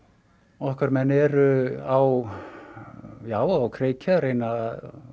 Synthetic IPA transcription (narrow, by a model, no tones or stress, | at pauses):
ɔhkvaɾmɛnɛɾʏaw | jaːwawkʰɾeːjcʰaɾejnað